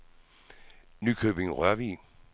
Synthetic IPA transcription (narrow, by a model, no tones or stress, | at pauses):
nykʰøːb̥e̝ŋʁœɐʋḭː